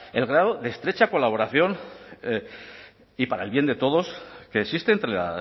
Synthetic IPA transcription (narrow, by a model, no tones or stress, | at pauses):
e̞lɣɾaðoðe̞ːst̪ɾe̞t͡ʃako̞laβ̞o̞ɾaθjo̞n | ipaɾaelβje̞nd̪e̞t̪o̞ð̞o̞ske̞ːksist̪e̞ːnt̪ɾea